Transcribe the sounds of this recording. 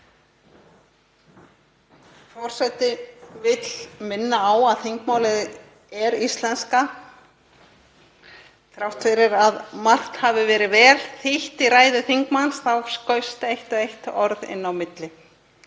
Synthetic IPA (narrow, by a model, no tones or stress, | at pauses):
fɔr̥sɛt̪ɪvɪt̪l̥mɪnːaːwaðθɪŋkmaːwlɪð | ɛɾist̪lɛnska | θɾawht̪fɪɾɪɾaðmar̥t̪haːvɪvɛːɾɪvɛːlθɪht̪iɾaːjðʏθɪŋkmansθawskœɥst̪ejht̪ʏejht̪ɔɾðɪ̰nːawmɪt̪lɪ